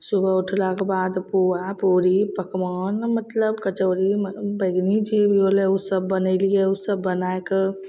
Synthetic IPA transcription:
subəʊʈʰlakebad̪puapoːɾipəkmɔːnmət̪ləbkət͡ʃoːɾimbəɪɡnid͡ʒʰibʱioleusəbːənəɪlijeusəbːənaeke

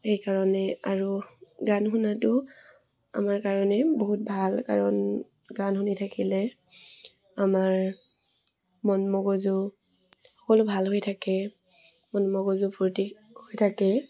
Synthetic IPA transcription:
xejkaɹɔnɛaɹuɡanxunatʊ | a̰maɹkaɹɔnɛboɦut̚bʱalka̰ɹɔn | ɡanxunitʰakilɛ | amaɹ | mɔnmɔɡɔzʊ | xɔ̥kɔlʊbʱalɦojtʰakɛ | mɔnmɔɡɔzʊpʰoɹti | hojtʰakɛ

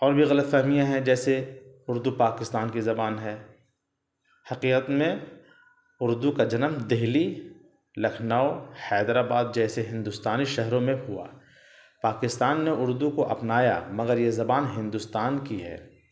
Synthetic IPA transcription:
ɔːɾbʱiɣɐlət̪fɛɦmijãɦɛ̃d͡ʒɛːse | ʊɾd̪upaːkɪst̪aːnkizɐbaːnɦɛː | hɐqiːqət̪mẽ | ʊɾd̪ukad͡ʒɐnəmd̪eɦli | lɐkʰnaːohɛːd̪ɾaːbaːd̪̚d͡ʒɛːseɦɪ̃nd̪ʊst̪aːniʃɐɦɾõmẽɦʊa̰ː | paːkɪst̪aːnːeʔʊɾd̪ukoʔɐpnaːja̰mɐɡəɾjezɐbaːnɦɪ̃nd̪ʊst̪aːnkiɦɛ̰ː

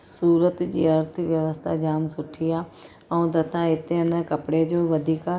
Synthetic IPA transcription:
suːɾət̪d͡ʒḭːəɾt̪ʰʋjəʋəst̪ʰa̰ːd͡ʒaːmsʊʈʰːɪjaː | əũːd̪ət̪ʰãːɪt̪ːenə̃kəpɽeːd͡ʒoːʋəd̪iːka

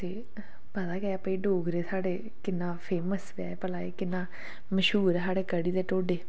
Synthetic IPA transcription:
t̪eː | pəd̪aːkɛpəiːɖoːɡɾeːsʰaːɽeː | kɪnːãːpʰeːməsʋa̰ːepəlaːḛːkɪnːãː | məʃɦuːɾsaːɽeːkəɽiːd̪eːʈoːɖeː

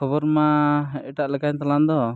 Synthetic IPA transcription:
kʰɔbɔɾmaʔɛʈaʔlɛkaɲt̪aland̪ɔ

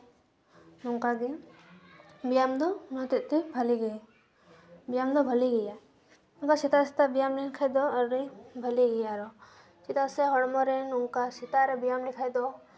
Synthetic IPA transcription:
nuŋkaɡi | bijamd̪ɔmɔt̪it̪ibʱɐliɡej | bijamd̪ɔbʱəliɡija | uŋkasit̪asit̪abijamninkʰajd̪ɔəɾibʱɐliɡijaɾɔ | t͡ʃit̪asɛɦɔɽmɔɾɛnuŋkasit̪aɾɛbijamnikʰajd̪ɔ

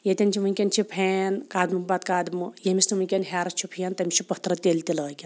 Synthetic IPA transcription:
jet̪ʲɐnt͡ʃʰiʋɨnʲkʲenʲt͡ʃʰipʰenkaːd̪mɨbat̪kaːd̪mɨjemʲisniʋunʲkʲenɦʲaːɾɐt͡ʃʰipʰijɐnt̪ɐmʲit͡ʃʰipɐt̪ɾɐt̪ʲelt̪iləːkʲen

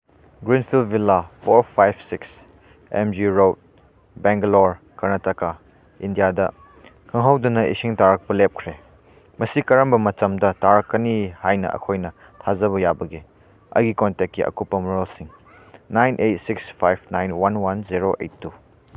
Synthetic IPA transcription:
ɡɾinpʰilbilːapʰoɾpʰajb̚ʰsiks | emd͡ʒiɾowt̚ | beŋɡloɾ | kɐɾnɐtɐka | indijadɐ̰ | kʰɐŋɦawdunɐʔḭsiŋtaɾɐk̚pɐlep̚kʰɾe | mɐsikɐɾɐmbɐmɐt͡ʃɐmdɐtaɾɐkːɐnihajnɐ̰ʔɐ̰kʰojnɐ | tʰazɐβɐjabɐɡi | ɐ̰jɡikontek̚ːiʔɐ̰kupːɐmɔɾolsiŋ | najnʔejt̚sikspʰajp̚ʰnajnwanwanziɾoʔḛjtːu

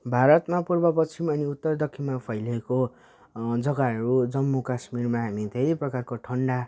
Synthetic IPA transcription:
bʱaɾʌt̪mapurbʌpʌt͡sʰimʌniut̪ːʌrd̪ʌkʰːimapʰʌjleko | d͡zʌɡaɦʌɾud͡zʌmːukasmirmaɦamit̪ʰʌjprʌkarkoʈʰʌɳɖa

